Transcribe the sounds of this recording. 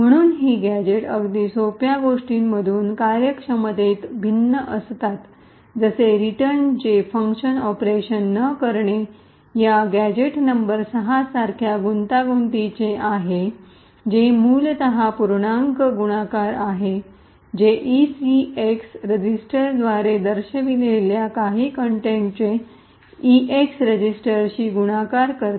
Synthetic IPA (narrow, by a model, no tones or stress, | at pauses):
m̤əɽ̃uːnɦiːɡæd͡ʑeʈəɡd̪iːsopjaɡoʂʈiːmməd̪ʱuːnkaɾjəkʂəməd̪ʱet̪bʱinːəʔəst̪at̪ | d͡zəseɾiʈəɾnd͡ʑefəŋkɕənɔpɾeɕənːəkəɾɳe | jaɡæd͡ʑeʈnəmbəɾsəɦasaɾkʰjaɡunt̪aɡunt̪it͡ɕeaɦe | d͡ʑemuːlt̪əɦapuɾɳaŋkəɡuɽ̃akaɾaɦe | d͡ʑeʔisieksɾəd͡ʑisʈəɾd̪ʋaɾed̪əɾɕəʋileljakaɦiːkəɳʈẽɳʈ̚t͡ɕe | iʔeksɾəd͡ʑisʈəɾɕiːɡuɽ̃akaɾkəɾt̪